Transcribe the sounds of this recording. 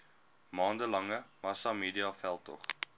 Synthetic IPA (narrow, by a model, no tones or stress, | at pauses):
mɑːndəlɐŋəmɐsɑmiːdiɑfælˠtɔ̰χ